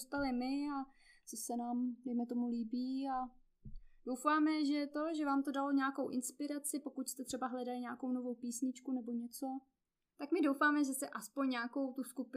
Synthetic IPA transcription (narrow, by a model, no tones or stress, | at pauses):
st̪alɪmɪat͡sosɛnaːmdɛjmɛt̪omuliːbiːa | d̥owfaːmɛʒɛt̪o̞ʒɛvaːmt̪o̞dalo̞ɲaːko̞wʔɪnspɪɾat͡sɪpo̞kucst̪ɛt̪r̝̥ɛbaɦlɛdalɪɲaːko̞wno̞vo̞wpiːsɲɪt͡ʃkunɛbo̞ɲɛt͡so̞ | t̪akmɪdo̞wfaːmɛʒɛst̪ɛʔaspoɲɲaːko̞wt̪uskupɪ